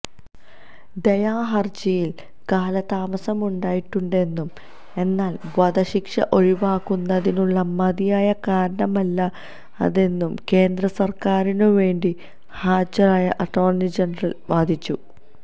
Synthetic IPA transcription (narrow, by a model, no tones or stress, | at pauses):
d̪ejaːɦɐrd͡ʑɐjil | kaːlɐt̪aːmɐsɐmuɳɖaːjiʈːuɳɖe̞nːum | e̞nːaːlʋɐd̪ɐɕikʂɐ̰ʔo̞ɻiʋaːkːunːɐðinuɭːɐmɐðijaːjɐkaːɾɐɳɐmɐlːɐ | ɐ̰ðe̞nːumke̞ːnd̪ɾɐsɐrkaːɾinɨʋe̞ːɳɖi | haːd͡ʑɐɾaːjɐʔɐʈːo̞ːrnid͡ʑenɐrɐlʋaːd̪ʱit͡ɕːu